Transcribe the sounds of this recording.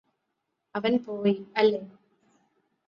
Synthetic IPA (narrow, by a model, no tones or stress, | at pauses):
ɐʋɐnpoːjɐlːe